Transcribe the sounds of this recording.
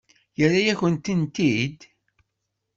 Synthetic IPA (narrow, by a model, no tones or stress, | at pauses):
jərajæçənt̪ənt̪id̪